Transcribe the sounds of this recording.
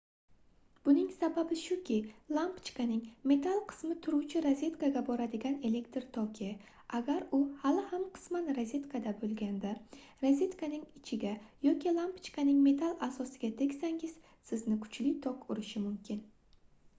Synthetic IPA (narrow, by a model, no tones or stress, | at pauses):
b̥ʊnɪŋsababɪʃʊkʲʰɪlˠampt͡ʃkanɪŋme̞t̪ʰalˠqʰɨ̥smɪt̪ʰʊɾuwt͡ʃʰɪɾazʲe̞t̪kaɡʲabɒɾad̪ɪɡʲane̞le̞kt̪ɾt̪ʰɒkʲʰi | aɡʲaɾʊhalɪhamqʰɨ̥smanɾazʲe̞t̪kʰad̪abolˠɡʲand̪a | ɾazʲe̞t̪kʰanɪŋɪt͡ʃʰɪɡʲajɒkʲilˠampt͡ʃkanɪŋme̞t̪ʰalˠasɒsɪɡʲat̪ʰe̞kʲsaŋɪz̥ | sɪznɪkʰʊ̥t͡ʃlɪt̪ʰɒkʊɾɪʃɪmʊmkʲʰɪn